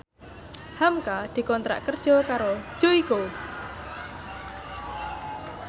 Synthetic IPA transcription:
hamkad̪̥i̤kɔnt̪ɾa̰ʔkərd̥ʒ̥ɔkaɾo̥ʒ̥oiko

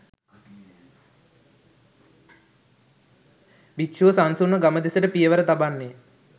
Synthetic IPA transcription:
bikʃuːsansunːəɡaməd̪esəʈəpijəʋəɾət̪abanːe

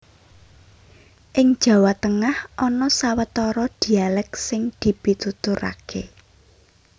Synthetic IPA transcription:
ʔɪŋd̥ʒ̥a̤wat̪əŋahʔɔnɔsawət̪ɔɾɔd̪̥i̤alɛksɪŋd̪̥i̤b̥i̤t̪ut̪ʊɾa̰kʰe

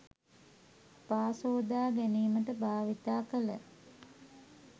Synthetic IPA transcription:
paːsoːd̪aːɡæniːməʈəbʱaːʋit̪aːkələ̰

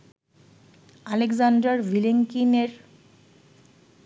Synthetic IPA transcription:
aleɡzaɳɖɾaɾvileŋkineɾ

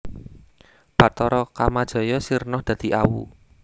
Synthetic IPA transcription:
pat̪ɔɾɔkamad̥ʒ̥ɔ̤jɔsirnɔhd̪̥ä̤d̪̥i̤ʔawṵ

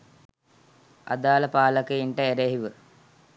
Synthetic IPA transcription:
ɐ̰d̪aːlɐpaːlɐkəiɳʈɐeɾeɦiʋɨ

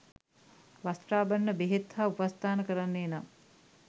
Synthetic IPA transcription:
ʋast̪raːbəɳːəbeɦet̪haːupast̪aːnəkəɾanːeːna

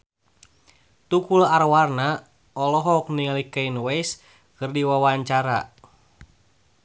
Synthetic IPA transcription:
t̪ukularwarna | ɔlɔɦɔk̚niŋalikainwɛjs | kɨrdiwawaɲt͡ʃaɾa

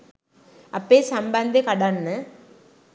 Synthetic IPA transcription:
ɐpːeːsɐmbɐnd̪ekɐɽaːnnɯ

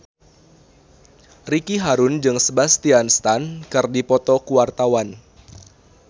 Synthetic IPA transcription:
rikiɦaɾʊnd͡ʒɨŋsəbast̪ianst̪ankɨrdipɔt̪ɔkuwart̪awan

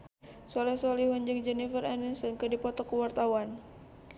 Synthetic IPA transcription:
sɔlɛsɔliɦɔɲd͡ʒəŋd͡ʒɛnifəɾɛninsɔnkədipɔt̪ɔkəwart̪awan

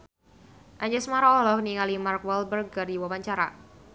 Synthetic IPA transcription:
ʔaɲd͡ʒɛsmaɾaɔlɔkniŋalimarkwɛlbərɡardiwawaɲt͡ʃaɾa̰

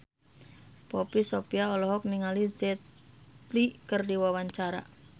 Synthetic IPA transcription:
pɔpisopiaɔlɔɦɔk̚niŋalizɛt̪likərdiwawaɲt͡ʃaɾa̰

